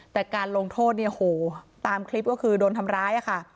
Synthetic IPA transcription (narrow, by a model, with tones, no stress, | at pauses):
t̪ɛː˨˩kaː˧nlo˧ŋt̪ʰoː˥˩t̪̚ni˥˩ʔhoː˩˦t̪aː˧mkʰli˦˥p̚kɔː˥˩kʰɯː˧doː˧nt̪ʰa˧mɾaː˦˥jʔa˨˩kʰa˥˩